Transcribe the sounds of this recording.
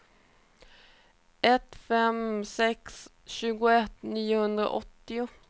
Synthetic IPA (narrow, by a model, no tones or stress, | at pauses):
ɛt̪fɛmsɛks | ʃʉːɡʊɛt̪niːəhʉnd̪ʁə̰ʔɔt̪ɪʊ